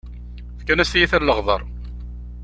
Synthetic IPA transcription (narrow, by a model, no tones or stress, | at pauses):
θkːænæsijiθæləʁðˤəɾˤ